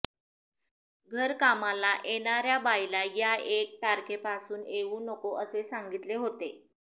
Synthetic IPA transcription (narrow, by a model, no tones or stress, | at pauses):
ɡʱəɾkamalaʔeɽ̃aɾjabajlajaek̚t̪aɾkepasuːneʋuːnəkoʔəsesaŋɡit̪leɦot̪e